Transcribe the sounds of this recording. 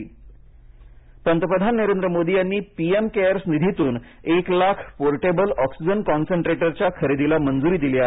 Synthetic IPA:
pənt̪əpɾəd̪ʱanːəɾend̪ɾəmod̪ijanːiːpiemkeəɾsnid̪ʱit̪uːn | eklakʰpoɾʈebəlɔksid͡ʑənkɔnseɳʈɾeʈəɾt͡ɕjakʰəɾed̪ilamənd͡zuɾiːd̪ilia

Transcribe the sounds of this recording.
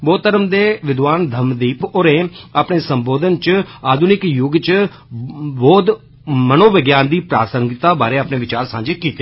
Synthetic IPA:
bɔːt̪əɾəmd̪eːʋɪd̪ʋaːnd̪ʱəmd̪iːpoɾeːaːpneːsəmboːd̪ənt͡ʃaːd̪ʱunɪkjʊɡt͡ʃ | boːd̪ | mənoːʋəɡjaːnd̪iːpɾaːsəŋɡɪt̪aːbaːɾeːaːpneːʋɪt͡ʃaːɾsãːɲd͡ʒeːkiːt̪e

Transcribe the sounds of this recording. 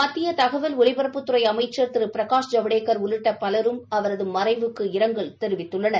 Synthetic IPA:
mɐt̪ːɪjɐt̪ɐɣɐʋɐlʊɭɪbɐɾɐpːɯt̪ːɯrɐɪɐmɐɪt͡ʃːɐɾt̪ɪɾɯpɪɾɐkaːʂd͡ʒɐʋɐɽeːkːɐɾʊlɯʈːɐpɐlɐɾɯmɐʋɐɾɐðɯmɐrɐɪʋɯkːɯɪɾɐŋɡɐɭt̪ɛɾɯʋɪt̪ːɯɭːɐnɐɾ

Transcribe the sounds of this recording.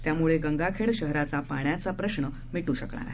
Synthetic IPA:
t̪jamuɭeɡəŋɡakʰeɭɕəɦɾat͡sapaɳjat͡sapɾəɕɳə | miʈuɕəkɭa̰ɾa

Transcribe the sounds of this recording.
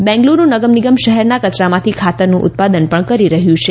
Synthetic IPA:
bɛ̃ŋɡlunũnəɡəmniɡəmʃəɦɛɾnakət͡ʃɾamãt̪ʰikʰat̪əɾnũʔʊ̰t̪̚pad̪ənpəɳkəɾiɾəɦjũt͡ʃʰe

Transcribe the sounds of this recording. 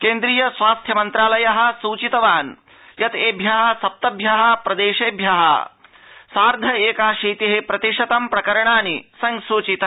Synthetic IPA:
keːnd̪ɾiːjɐsʋaːst̪ʰjɐmɐnt̪ɾaːlɐjɐɦɐ̆suːt͡ʃit̪ɐʋaːn | jɐt̪eːbʱjɐɦɐ̆sɐp̚t̪ɐbʱjɐɦɐ̆pɾɐd̪eːʃeːbʱjɐɦɐ̰ | saːɾd̪ʱɐeːkaːʃiːt̪iɦepɾɐt̪iʂɐt̪ɐmpɾɐkɐɾɐɳaːnisɐŋsuːt͡ʃit̪ɐ

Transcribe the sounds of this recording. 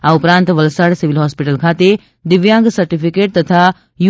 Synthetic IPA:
aupɾãːnt̪ʋɐlsaːɽsiʋilɦɔːspiʈəlkʰaːt̪e | d̪iʋjãːŋɡsɐɾʈipʰikeːʈ̚t̪ɐt̪ʰa | ju

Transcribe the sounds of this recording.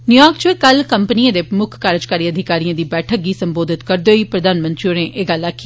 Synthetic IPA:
njuːjaːk̚t͡ʃoeːkəlkəmpəniːãːd̪eːpɾəmʊkʰkaːɾəd͡ʒkaːɾiːəd̪ʱɪkaːɾijãːd̪iːbɛːʈʰək̚ɡiːsəmboːd̪ʱɪt̪kəɾd̪eoːiːpɾəd̪aːnmə̃nt̪ɾionẽːʔeːɡəlːakʰːi

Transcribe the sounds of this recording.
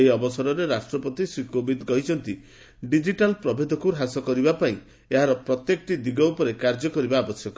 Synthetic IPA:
eiɔbɔsɔɾɔɾeɾasʈɾɔpɔt̪isɾikobid̪ɡɔɦjt͡ʃʰɔnt̪i | ɖid͡ʒiʈalpɾɔbʱed̪ʱɔkuɾɦasɔkɔɾibapaĩ | eɦaɾɔpɾɔt̪jekɔʈid̪iɡɔupɔɾekaɾd͡ʒɔkɔɾibaːbɔsjɔkɔ

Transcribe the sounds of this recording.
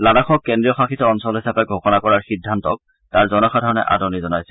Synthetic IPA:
ladaxʰɔkːɛndɹijɔxaxitɔɔnsɔlɦisapɛɡʱɔxɔnakɔɹaɹxidʱːantɔk̚ | taɹzɔnɔxadʱɔɹɔnɛ̰ʔa̰dɔnizɔnajsɛ̥

